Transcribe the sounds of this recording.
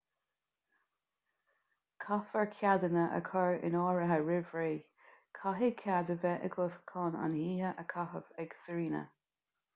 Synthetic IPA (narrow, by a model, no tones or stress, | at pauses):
kʰafəɹkʰjad̪ənəʔə̰kʰɔɹɪ̰nɑːɹəɦəɹɪvɹeː | kʰaɦekʰjad̪əvɛʔəɡɔskʰɑːna̰nhiːhəʔəkʰaɦəvɛɡ̥səɹiːnə̰